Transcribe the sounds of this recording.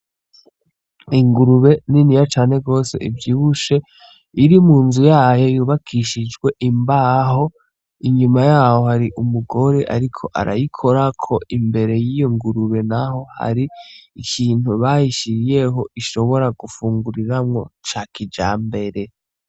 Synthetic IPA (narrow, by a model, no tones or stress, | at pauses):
iŋɡuɾuβe̞ninijat͡ʃaːne̞ɡo̞ːse̞̰ʔivjiːβuʃe̞ | iɾimuːnzujaːjo̞juːβakʰiʃid͡ʒɡwe̞ʔimbaɦo̞ | iɲumajaːho̞haɾiʔumuɡo̞ɾe̞ʔa̰ɾikʰo̞ʔa̰ɾa̰jikʰo̞ɾakʰo̞imbe̞ɾe̞jijoŋɡuɾuβe̞naɦo̞ha̰ɾiːkʰiːn̥huβaːjiʃiɾije̞ɦo̞ʔiʃo̞βo̞ɾaɡufuːŋɡuɾiɾamŋo̞t͡ʃakid͡ʒa̰ːmbe̞ɾe̞